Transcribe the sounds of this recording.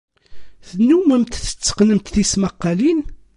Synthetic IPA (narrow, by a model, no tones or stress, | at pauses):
θənːuməmt̪θə̥t͡sːə̥qnəmt̪θisməqːɑlin